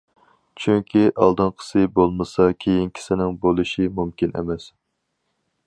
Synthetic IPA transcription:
t͡ʃʰyŋkʲʰiʔɑ̰lˠd̪ɨnqʰə̥sɨbolˠmɨsɑkʲʰejinkʲʰi̥sɪnɪŋbolˠɨʃimumkʲinḛmɛs

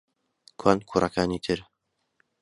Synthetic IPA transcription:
kʰwaːnkʰuːrʔɐkʰaːniːt̪ʰɨɾ

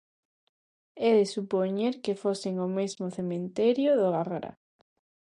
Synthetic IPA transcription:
ɛðɪsupoɲeɾkefosɪŋʊmezmʊθemẽnt̪ɛɾjʊðʊɣaɣɾa̰

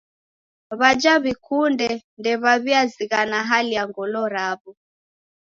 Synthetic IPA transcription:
βad͡ʒaβikundɛndɛβaβiaziɣanaɦalijaŋɡɔlɔɾaβɔ

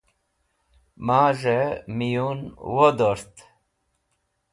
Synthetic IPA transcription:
maːʒemijunwod̪oɾt̪

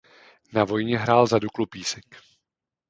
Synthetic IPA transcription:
navo̞jɲɛɦɾaːlzaduklupiːsɪk

